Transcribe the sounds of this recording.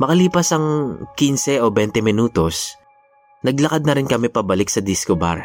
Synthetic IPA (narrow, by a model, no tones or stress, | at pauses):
mɐkɐliːpɐsɐŋkinsɛʔobɛnt̪ɛmɪnuːt̪o̞s | nɐɡlɐkad̪̚nɐɾɪnkɐmɛpɐbɐlɪk̚sɐd̪ɪskoba̰ɾ